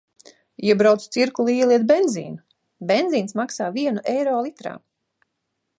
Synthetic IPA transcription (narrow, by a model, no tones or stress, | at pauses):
iɛbɾawt̪st̪siɾkulˠuiɛlˠiɛt̪̚bend̪zḭːnu | benziːnsmaksaːviɛnuʔɛjɾɔːlˠit̪ɾa̰ː